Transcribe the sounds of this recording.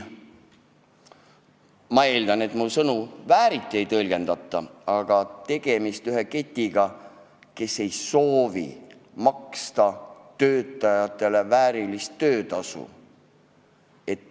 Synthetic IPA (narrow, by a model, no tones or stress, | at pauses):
mɑe̞ːld̪ɑne̞t̪musɤnuvæːɾit̪ˑːie̞jt̪ɤlʲɡ̥e̞nd̪̥ɑt̪ˑːɑɑɡ̥ɑt̪e̞ɡ̥e̞mist̪yɦe̞ke̞t̪ʲːˑiɡ̥ɑ | ke̞sːe̞jso̞ːvḭ | mɑkst̪ɑt̪ø̞ːt̪ːˑɑjɑt̪ˑːe̞le̞væːɾilist̪ːø̞ːt̪ɑsṵ | e̞t̪ː